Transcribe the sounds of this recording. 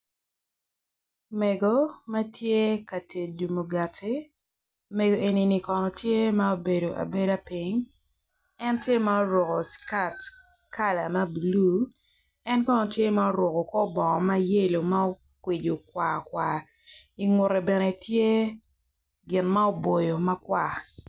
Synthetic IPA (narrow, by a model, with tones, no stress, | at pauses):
mɛ˨ɡo˨ma˦tʰje˦ka˨te˨du˨mo˨ɡa˨tʰi˦ | me˨ɡo˨ʔe˨ni˨ni˨kɔ˨nɔ˨tje˦ma˦o˦be˨do˨ʔa̰˨be˦da˦pi˨ŋ | ɛ˦ntje˦ma˦o˦ɾwɔ˨ko˨ska˨t | ka˦la˨ma˦bu˨lu˦ | ɛ˦nkɔ˦nɔ˨tje˦ma˦o˦ɾwɔ˨kɔ˨kɔ˦bɔ˨ŋɔ˨ma˦je˦lo˨ma˦o˦ | kwe˨d͡ʒo˨kwa˨kwa˨ | i˨ŋʊ˨ɾɛ˨bɛ˨nɛ˨tje˦ | ɡɪ˨nma˦o˦bo˨jo˨ma˦kwa˨